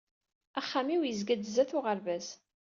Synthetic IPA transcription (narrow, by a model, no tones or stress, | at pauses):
æχːamiwjəzɡæd̪zæθʊʁaɾvæz